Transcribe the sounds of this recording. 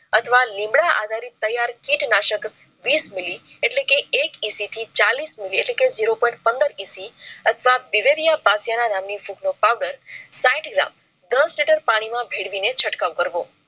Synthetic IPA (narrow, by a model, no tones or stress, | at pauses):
ət̪ʰəʋalĩmɽaʔa̰d̪ʱaɾit̪ːəjaɾkiʈnaʃək | ʋismili | eʈlekeekisit̪ʰit͡ʃalismilieʈleked͡ʒiɾopɔʈ̚pənd̪əɾisiət̪ʰəʋabiʋeɾijabasjananamnifuknopawɖəɾsaiʈɡɾa̰m | d̪əsʈeʈəɾpaɽ̃imãbʱeɽʋinet͡ʃʰəʈkaʋkəɾʋo